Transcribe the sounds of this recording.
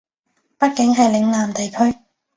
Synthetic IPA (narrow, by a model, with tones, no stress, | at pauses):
pɐ˥t̚kɪ˨˥ŋɦɐ˨jlɪ˨˥ŋlaː˨mt̪e˨jkʰɵ˥ɥ